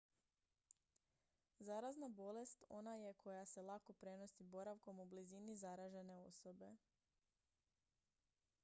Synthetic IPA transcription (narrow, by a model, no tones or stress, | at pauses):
zaɾaznabo̞le̞st̪o̞̰naje̞kʰo̞jase̞lˠako̞pɾe̞no̞sibo̞ɾaʋko̞mublizinizaɾaʒe̞ne̞o̞̰so̞be̞